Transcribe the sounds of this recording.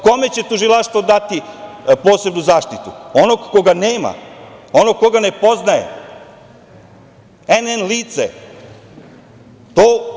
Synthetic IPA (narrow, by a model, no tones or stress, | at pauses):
ko̞me̞t͡ɕe̞t̪uʒilˠaʂt̪ʋod̪at̪i | poːse̞bnuzaːʃt̪it̪uonoɡko̞ɡaneːma̰onoɡ̚kːo̞ɡane̞po̞znajḛ | enenliːt̪sḛ | t̪oː